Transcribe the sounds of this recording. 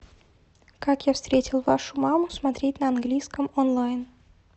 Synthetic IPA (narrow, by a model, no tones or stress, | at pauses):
kakjafst̪ɾʲetʲɪlˠvaʂʊmamʊsmat̪ɾʲet̚ʲnəɐnɡlʲijskəmonlˠajn